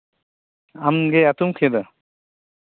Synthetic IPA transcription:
amɡeat̪umkʰed̪ɔ

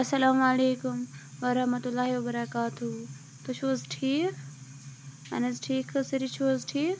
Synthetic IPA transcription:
ɐsɐlaːmɐleːkʊm | ʋɐɾɐɦmɐt̪ulːaːɦiwɐbɐɾɐkaːt̪u | t̪ot͡ʃʰoːzʈʰiːk | ɐ̰nɐzʈʰiːkʰəsɐɾit͡ʃʰoːzʈʰiːk

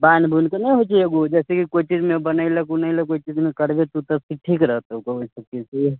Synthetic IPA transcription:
banbʱunkenəĩɦot͡ʃʰieɡod͡ʒɛːsekikoit͡ʃid͡ʒmẽbənailəkunailəkoit͡ʃid͡ʒmekəɾbet̪ut̪əsiʈʰiːkɾəɦət̪koɦoisəkːise

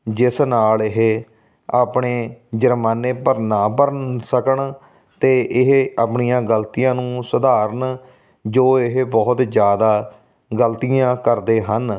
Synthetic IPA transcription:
d͡ʒɪsnaːlɪɦe | aːpɳeːd͡ʒəɾmaːneːpəɾnaːbəɾənsəkəɳ | t̪eːʔɪɦaːpɳijãːɡəlt̪iːjãːnũːsʊd̪aːɾəɳ | d͡ʒoːɪɦebɔːt̪d͡ʒjaːd̪aː | ɡəlt̪ijãːkəɾd̪eːɦən

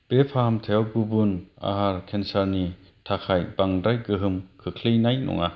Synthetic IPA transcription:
b̥epʰahamtʰajawɡubuna̰ɦaɾkʰensaɾni | tʰakʰajbaŋdɾajɡɯɦɯmkʰɯkʰlɯjnajnɔ̰ŋa

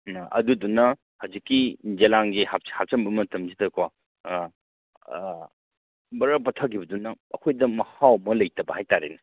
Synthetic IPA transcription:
ɐ̰dudunːɐ | hawzikːid͡ʒelaŋɡihahap̚t͡ʃɐmbɐmɐtʰɐmzitʰɐkwa | bɐɾɐpɐtʰakibɐdunɐːkʰojdɐmɐhawmɐlɐjtɐbɐhajtaɾḛnɐ

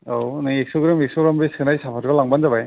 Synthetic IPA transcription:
awnaeksɔɡɾameksɔɡɾamɾeskʰɯnajsapʰatkɔlaŋbanzaβaj

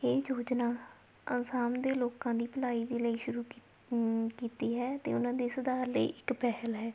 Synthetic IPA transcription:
eːd͡ʒoːd͡ʒnaː | ə̰nsaːnd̪eːloːkãːd̪iːpəlaːiːd̪eːləiːʃʊɾuː | kiːt̪iːɦɛːt̪ḛːʊnãːd̪eːsəd̪aːɾləḭːʔɪkpɛɦəlɦɛː

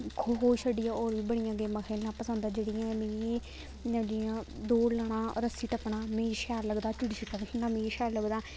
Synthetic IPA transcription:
kʰoːɦoːʃəɖɪjãːoːɾʋiːbəɽɪjãːɡeːmãːkʰeːlːãːpəsə̃nd̪aːd͡ʒeːɽɪjãːmẽi | ɖijãːd̪oːɽlaːɳãːɾəsiːʈəpːɳaːmẽːʃaːɾləɡd̪aːt͡ʃʊɽiːʃɪkːakʰɪnãːmẽːʃaːɾləɡd̪aː

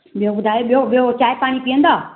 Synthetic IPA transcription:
ɓijõbʊd̪ʱaːjoɓijoɓot͡ʃaːepaːɽ̃iːpiə̃nd̪aː

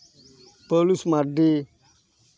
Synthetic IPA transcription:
pəlusmaɖi

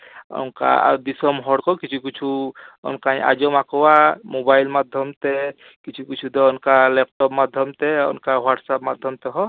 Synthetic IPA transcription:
ɔ̰nka̰d̪isɔmɦɔɽkɔkit͡ʃʰukit͡ʃʰuɔ̰nkaɲa̰d͡ʒɔmakɔwamobajlmad̪ʱjɔmt̪ɛ | kit͡ʃʰukit͡ʃʰud̪ɔɔnkalɛpʈɔpmad̪ʱjɔmt̪ɛɔ̰nkawaʈsapmad̪ʱjɔmt̪ɛɦɔ

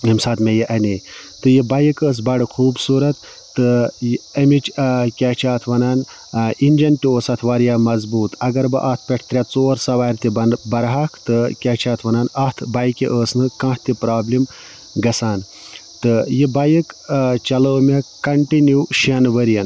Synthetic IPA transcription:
ɐmsaːt̪mʲejiʔɐnit̪ɨjibɐjikəːs̬bɐɽɨxʰuːbsuːɾɐt̪ː | ɨɐmit͡ʃkʲaːt͡ʃʰaːt̪ʰʋɐnaːn | inʲd͡ʒɐntioːsɐt̪ʰʋaːɾjaːmɐzbuːt̪ɐɡɐɾbɨ̰ʔɐːht̪̚ʰpʲeʈʰt̪ɾʲjat͡soːɾsɐʋaːɾʲt̪ʲibɐɾɦɐkʰt̪ɨkʲaːt͡ʃʰaːt̪ʰʋɐnaːnɐt̪ʰbɐjkiʔəːsnɨkɐ̃ːht̪ipɾaːblim | ɡɐsaːn | t̪ɨjibɐjikt͡ʃɐləːmekɐɳʈinjiwʃiɐnʋɐɾjɐn

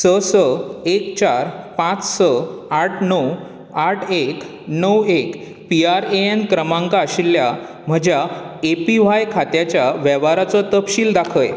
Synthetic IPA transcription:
səsəekt͡ɕaɾpãt͡ssəaʈʰnəw | aʈʰek | nəwek | piaɾeenkɾəmãŋkaəɕilːja | m̤əd͡ʑjaepiʋ̤ajkʰat̪jat͡ɕjaʋɛʋaɾat͡sɔt̪əpɕiːld̪akʰəj

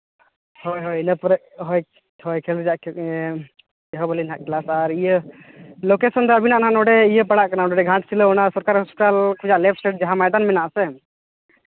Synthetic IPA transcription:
hɔjɦɔjinəpɔɾɛ | ɦɔj | ɦɔjkʰɛlɾd͡ʒaʔ | ɛɦɔbalinaʔklasaɾijə | lokesɔnd̪ɔabinaʔnaɦanɔɖɛijəpaɽaʔkanaɔɖɔɖɛɡʱãʈsiləɔnasɔɾkaɾuspiʈalkʰud͡ʒaʔlɛp̚ʰsʈeʈ̚d͡ʒaɦamajd̪anmɛnaʔsɛ

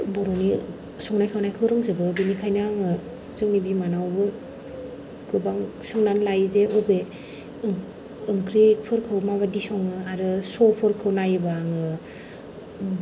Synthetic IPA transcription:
bɔɾɔni | sɔŋnajkʰawnajkʰɯwɾɯŋzɯbɯbinikʰajnaŋɯ | zɯŋnibimanawbɯ | ɡɯbaŋsɔŋnanlajzeobe | ɯŋkɾipʰɯɾkʰɯwmaβadisɔŋɯaɾɯsɔpʰɯɾkʰɯwnajbaŋɯ

